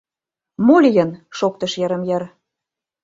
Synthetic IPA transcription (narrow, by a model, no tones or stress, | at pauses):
molʲijənʃok̚t̪ə̆ʃjĕɾə̆mjeɾ